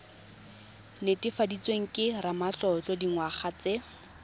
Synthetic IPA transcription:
nɪtʼɪfadit͡sweŋ̩kʼɪramat͡ɬɔt͡ɬɔdiŋwaχat͡se

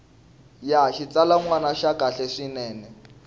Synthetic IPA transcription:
jaʃit͡salaŋwanaʃakʼaɬɛʂinɛːnɛ

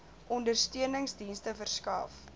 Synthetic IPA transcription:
ʔɔndərstyənəŋsdinstəfərskɐ̰f

